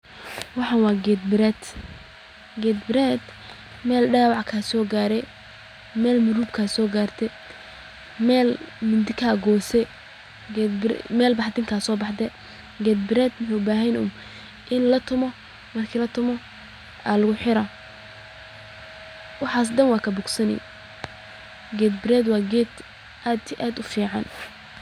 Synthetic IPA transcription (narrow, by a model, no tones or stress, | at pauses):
wɑħɑnwɑːɡɛd̪̚bɪɾɛd̪ | ɡɛːd̪bɪɾɛd̪ | mɛːlɖaːwɑʕkʰasɔːɡaːɾɛ | mɛːlmʊɾuːbkʰasɔːɡaːrt̪ʰɛ | mɛːlmʊnd̪ɪkʰaɡɔːsɛ | mɛːlbɑħd̪ɪŋkʰaːsɔːbɑħd̪ɛ | ɡɛd̪̚bɪɾɛːd̪mɪħebaːɦɛnʊ̰m | ʔɪnlɐt̪ʰʊmɔ | mɐrkʰiːlɐt̪ʰʊmɔ | alɐɣʊħɪɾɐ | wɑħɑːs̬d̪ɐnwɑːkʰɐbʊɡsɐnɛ̰j | ɡɛːd̪̚bɪɾɛːd̪wɑːɡɛːd̪ | ʔaːd̪iʔaːd̪ʊfiːʕɑn